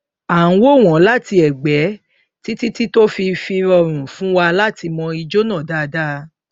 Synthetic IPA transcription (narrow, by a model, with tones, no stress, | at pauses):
ã˨˦wo˦˨w̃ɔ̃˨˦la˦ti˧ɛ˨ɡ͡bɛ˨˦ | ti˦ti˦ti˦to˦fi˧fi˧ɾɔ˨ɾ̃ũ˨fũ˨˦wa˧la˦ti˧mɔ̃˧i˧d͡ʒo˦nãː˦˨da˦˧da˦